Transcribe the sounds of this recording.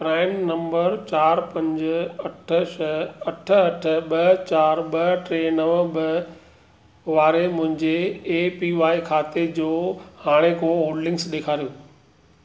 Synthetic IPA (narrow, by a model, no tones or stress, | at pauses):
pɾaːɪnnɐ̃mbəɾt͡ɕaːɾpɐ̃ɲd͡ʑɐʈʰəʃɐɐʈʰə̆ɐʈʰə̆ɓɐt͡ɕaːɾɓɐʈɾeːnɐʋbɐ | ʋaːɾemʊ̃ɦɪ̃ɲd͡ʑeːpiːʋaːikʰaːt̪ed͡ʑoːhaːɽ̃ekʰoːoːɖlɪ̃ŋɡsɗeːkʰaːɾijoː